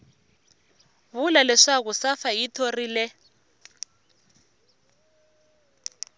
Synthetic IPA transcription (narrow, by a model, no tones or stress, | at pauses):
βulalɛʂak̬usafajitʰorilɛ